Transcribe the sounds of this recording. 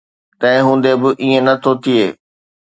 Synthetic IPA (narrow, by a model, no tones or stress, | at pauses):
t̪ɐ̃ɪ̃ɦũːn̆d̪ebɪʔiẽnɐt̪ʰot̪ʰieː